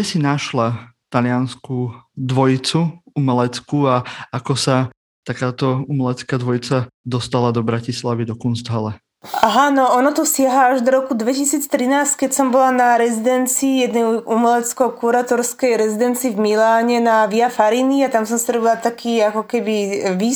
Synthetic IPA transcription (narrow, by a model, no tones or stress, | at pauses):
ɛsinaʃlat̪alɪanskud̪ʋɔjit͡suumɛlɛt͡skuaakɔsa | t̪akaːt̪ɔumɛlɛt͡skaːd̪ʋɔjit͡sad̪ɔst̪alad̪ɔbɾacislaʋid̪ɔkunst̪ɦalɛ | ʔaɦanɔɔnat̪ɔsɪaɦaaʒd̪ɔɾɔkud̪ʋɛcisiːt͡st̪ɾinaːsckɛcsɔmbɔlanaɾɛzid̪ɛnt͡siːjɛd̪nɛjʔumɛlɛt͡skɔkuɾaːt̪ɔɾskɛjɾɛzid̪ɛnt͡siːvmilaːɲɛnaʋiafaɾiniat̪amsɔmsaɾɔbilat̪akʰiːakɔkɛbiʋiː